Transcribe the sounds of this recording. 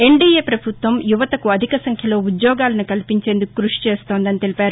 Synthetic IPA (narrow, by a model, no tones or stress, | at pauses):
e̞ɳɖiːeːpɾɐbʱut̪ʋɐmjuʋɐt̪ɐkuɐd̪ʱikɐsɐŋkʰjɐlo̞ːud̪jɔːɡaːlɐnikɐlipiɲt͡ʃe̞ːnd̪ukukɾuʂi̥t͡ʃeːst̪oːnd̪ɐnit̪e̞lipaːɾu